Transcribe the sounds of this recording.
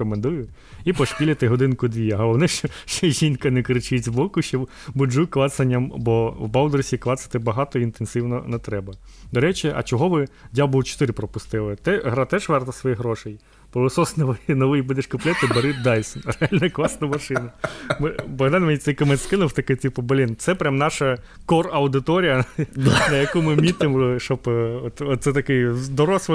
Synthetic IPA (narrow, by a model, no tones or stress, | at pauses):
ɔmend̪ujʊ | ipɔʃkʲilʲɐt̪ɪɦɔd̪ɪnkʊd̪ʲʋʲijɐɦɐʋɔnɪʃɔʃt͡ʃɛʒinkɐnɛkɾɪt͡ʃɪt͡sʲbɔkʊʃt͡ʃɔ | bʊd͡ʒuklˠɑsɐnʲːɐmbɔwbɑwd̪ɔɾsʲiklˠɑsɐ̥t̪ɪbɐɦɑt̪ɔint̪ensɪwnɔnɛt̪ɾɛbɐ | d̪ɔɾɛt͡ʃiɐ̰t͡ʃɔɦɔʋɪdʲabʊlˠt͡ʃɔ̥t̪ɪɾɪpɾɔpʊst̪ɪlˠɪt̪ɛɦɾɑt̪ɛʒʋɛrt̪ɐsʋɔjiɦɾɔʃɛj | pɔʋɪsɔsnɐnɔʋɪjibɪd̪ɪʃkʊplʲɛt̪ɪbɐɾɪt̪̚d̪ɑjʲsʲnɾeɑlʲnɐklˠɑsnɐmɐʃɪnɐmɪbɐɦd̪ɑnʲmenʲit̪sɛjkɐmɛt̪skɪnɔft̪ɐkɪtʲipɐbɐlʲint̪sɛpɾʲamnɑʃɐ | kɔrɐʊd̪ɪt̪ɔɾʲijɐnɐjɐkumɪmʲit̪ɪmʃt͡ʃɔbɔt̪ɔt̪sɛt̪ɐkɪjd̪ɔɾɔsʋɔ